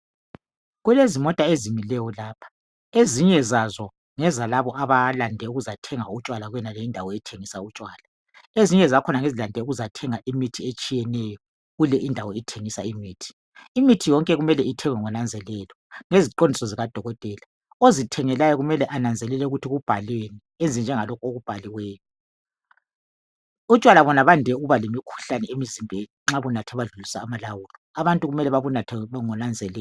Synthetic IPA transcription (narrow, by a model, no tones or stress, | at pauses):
ɣulezimɔtʼaezimilɛjɔlaːpʰḁ | eziɲɛzazɔ | ŋɛzalaβɔʔaβalandʱɛuɣuzatʰɛŋaut͡ʃʼwalaɣwɛnalɛindʱawɔitʰeŋisaut͡ʃʼwaːla | eziɲɛzakʰɔnaŋezilandʱɛuɣuzatʰɛŋaʔimitʰiet͡ʃʼijɛnɛjɔ | ɣulɛʔindʱawɔitʰeŋisaimiːtʰi̥ | imitʰijɔŋkʼɛɣumɛlɛitʰɛŋwɛŋɔnand͡zʱɛlɛːlɔŋeziǃondʱisɔziɣad̥ʱɔɣɔtʼɛːla | ozitʰɛŋɛlajɔɣumɛlɛʔanand͡zʱɛlɛlɛuɣutʰiɣub̥ʱaleni | end͡zʱind͡ʒʱɛŋalɔkʰɔoɣub̥ʱaliweːjɔ | ut͡ʃʼwalaβɔnaβandʱɛuɣuβalemikʰu̥ɬanɛemizimbʱɛiŋ͡ǁaβunatʰɛβaɮulisaːmalawuːlɔaβantʼuɣumɛlɛβaβunatʰɛŋɔnand͡zʱɛlɛ